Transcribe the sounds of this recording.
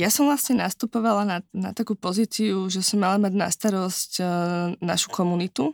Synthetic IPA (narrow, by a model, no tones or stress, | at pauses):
jasɔmvlasɲɛnast̪upɔʋalanana̰t̪akuːpɔziːt͡siuʒɛsɔmːalamaɟna̰st̪aɾɔsc | na̰ʃu̥kʰɔmunit̪u